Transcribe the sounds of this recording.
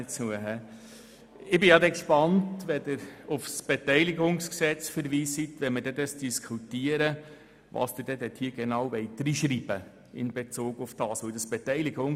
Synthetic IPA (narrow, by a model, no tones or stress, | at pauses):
ət͡suəɦɛ | ɪbɪjɑd̪ɛkʃpɑntʋɛd̥ɪɾʊfsb̥etɛɪlɪɡʊŋsksɛt͡sfəɾviːsit̪ʋɛməɾd̥ɛd̪əsd̥iskʰutiəɾə | ʋɑ̰ːsd̥ɪd̥ɛdɛt̪hiːɡ̥enɑwʋɛɪt̪ɾiʃɾiːb̥ə | ɪ̰nbet͡soːɡʊfd̥ɑːsʋod̪əsb̥etɛɪlɪɡʊŋ